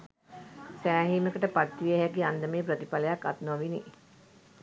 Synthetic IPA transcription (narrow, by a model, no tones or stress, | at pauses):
sæːɦiːməkəʈəpat̪ːʋiəɦækiand̪əmeːpɾət̪ipaləjakːat̪noʋini